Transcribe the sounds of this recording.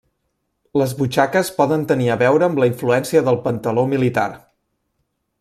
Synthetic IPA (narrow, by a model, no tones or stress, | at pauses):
ləzβut͡ʃakəspɔðənt̪əniəβɛwɾəːmləiɱfluɛnsiəðəlˠpənt̪əlomilit̪a̰r